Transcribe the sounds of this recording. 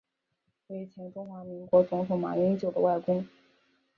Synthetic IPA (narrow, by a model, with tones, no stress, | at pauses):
we˧˥ɪt͡ɕʰjɛ˧˥nʈ͡ʂʊ˥ŋxwa˧˥mi˧˥ŋkwɔ˧˥t͡sʊ˧˥ŋt̪ʰʊ˧˥ŋma̰˨˩ɛ˧˥nt͡ɕjo˨˩ʊd̪ə̰˦wa˥˩ɪkʊ˥ŋ